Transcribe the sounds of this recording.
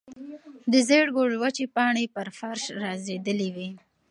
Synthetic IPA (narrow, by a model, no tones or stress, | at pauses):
d̪əzeɽɡoɽwat͡ʃepɑɳepəɾfaɾʃɾɑzed̪əliwi